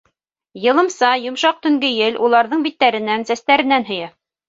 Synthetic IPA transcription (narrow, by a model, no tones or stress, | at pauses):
jɤ̆lˠɤ̆msɑjŏmʃɑq̚t̪ɵ̆ŋɡɘjɘlʔulˠɑɾðɤɴbit̪ːæɾɘ̆nænsæst̪æɾɘ̆nænɦɵ̆jæ